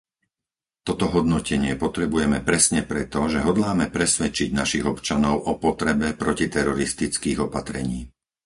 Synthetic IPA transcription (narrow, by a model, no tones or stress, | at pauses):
t̪ɔt̪ɔɦɔd̪̚nɔcʰɛɲɪɛpɔt̪ɾɛbujɛmɛpɾɛsɲɛpɾɛt̪ɔʒɛɦɔd̪laːmɛpɾɛsʋɛt͡ʃiɟnaʃiɣɔpt͡ʃanɔʊʔɔpɔt̪ɾɛbɛpɾɔcit̪ɛɾɔɾist̪it͡skiːɣɔpat̪ɾɛɲiː